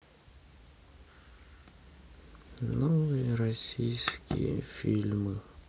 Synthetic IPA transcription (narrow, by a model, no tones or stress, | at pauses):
nɔvɨjəɾasʲijskʲḭjə̰fʲilʲmɨ